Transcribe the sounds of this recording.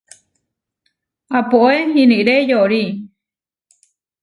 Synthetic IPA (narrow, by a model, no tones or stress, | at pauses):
apoʔehĩniɾejoɾi